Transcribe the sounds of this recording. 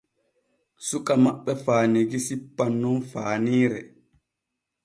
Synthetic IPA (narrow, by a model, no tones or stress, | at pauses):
sukʼamaɓːɛfaːniɡisipːanːɔnfaːniːɾɛ